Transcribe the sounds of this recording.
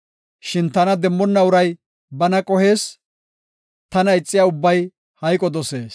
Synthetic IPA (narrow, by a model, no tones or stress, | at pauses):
ʃɪnt̪ɐnɐd̪ɛmːɔnːɐʊɾɐj | bɐnɐkʼɔhe̞ːs | t̪ɐnɐɪt͡sʼːɪjaːʊbːɐj | hɐjkʼɔd̪ɔse̞ːs